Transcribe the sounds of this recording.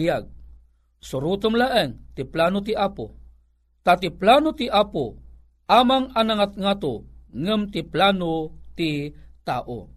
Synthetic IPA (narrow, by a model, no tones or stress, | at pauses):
aɡ̚ | suɾut̪əmlaʔəŋt̪iplanut̪̬iʔapṵ | t̪at̪iplanut̪iʔapu | ʔamaŋanaŋat̪̚ŋat̪uŋəmt̪iplanut̪it̪aʔṵ